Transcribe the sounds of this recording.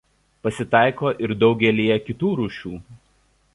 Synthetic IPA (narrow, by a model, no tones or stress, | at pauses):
pɐsʲɪt̪ɑˑɪkoːʔɪɾd̪ɒʊɡʲɛlʲijɛkʲɪt̪uːɾuːʃʲuː